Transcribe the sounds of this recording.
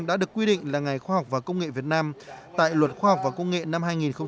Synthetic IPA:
mɗa̰ː˧˥ɗɨ˨˩əkːwi˧ɗḭ̈˧˨ŋ̟laː˨˩ŋa˨˩jxwaː˧ha˨˩wk͡p̚vaː˨˩kə˧wŋ͡mŋḛ˧˨vi˨˩ət̚naː˧mt̪a̰ː˧˨jlwə˨˩t̚xwaː˧ha˨˩wk͡p̚vaː˨˩kə˧wŋ͡mŋḛ˧˨na˧mɦaː˧jŋi˨˩nxə˧ŋ͡m

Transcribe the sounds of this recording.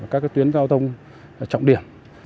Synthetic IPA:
aː˨˩kaː˦˥ka˦jt̪wi˨˦ənkaː˧wt̪ʰə˧wŋ͡m | t͡ɕɔ̰˧˨ŋ͡mɗḭ˧˩əm

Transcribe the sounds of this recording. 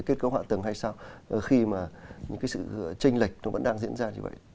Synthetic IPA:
jke˦˥t̚kə˧˦wɦa̰ː˧˨t̪ɨ˨˩ŋha˧jsaː˧wxi˧maː˨˩ɲɨ̰˧˥ŋkaː˨˦jsɨ̰˧˨t͡ɕï˧ŋ̟li˨˩k̟̚nɔ˨˦və̰˧˥nɗaː˧ŋzḭ˧˥ənzaː˧ɲɨ̰˧və̰˧˨jʔ

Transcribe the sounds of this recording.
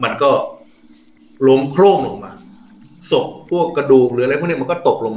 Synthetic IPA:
ma˧nkɔː˥˩ | lo˦mkʰɾoː˥˩ŋlo˧ŋ̚maː˧ | so˨˩p̚pʰu˥˩əkːɾa˧duː˨˩k̚ɾɯː˨˦˥jpʰni˥˩˨nkɔː˥˩t̪o˨˩k̚lo˧ŋmaː˧

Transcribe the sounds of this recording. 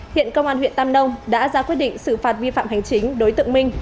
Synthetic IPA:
hḭ˧˨ənkə˧wŋ͡mʔaː˧nhwḭ˧˨ənt̪a˧mɗə˧wŋ͡mɗa̰ː˧˥zaː˧kwt̚ɗḭ̈˧˨ŋ̟sɨ˧˩faː˨˩t̚vi˧fa̰ː˧˨mɦa˨˩jŋ̟t͡ɕï˨˦ŋ̟ɗo˨˦jt̪ɨ̰˧˨əŋmï˧ŋ̟

